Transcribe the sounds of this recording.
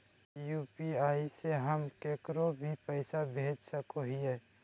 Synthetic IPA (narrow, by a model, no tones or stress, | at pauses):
juːpiaːiseɦəmkeːkɾobʱipəɪsabʱeːd͡ʒsəkoɦiɛ